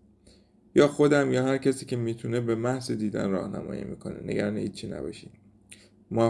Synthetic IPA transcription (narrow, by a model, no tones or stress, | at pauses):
jɒːxo̞d̪æmjɒːhæɾcʰæsiːcʰe̞miːt̪ʰune̞bemæhzid̪iːd̪æ̰nrɒːhnæ̰mɒ̰ːjḭːmḭːkʰo̞̰neneɡæɾɒːnehiːt̪̚t͡ʃʰiːnæ̰bɒ̰ːʃid̪ | mɒ